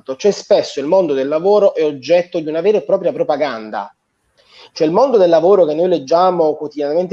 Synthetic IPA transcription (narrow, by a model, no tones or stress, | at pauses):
t̪ot͡ʃoɛspesːoilmond̪od̪elːavoːɾoʔɛod͡ʒːɛt̪ːod̪iunaveːɾepːɾɔːpɾjapɾopaɡand̪a̰ | t͡ʃoɛilmond̪od̪elːavoːɾokenːojled͡ʒːaːmokwot̪id̪janament̪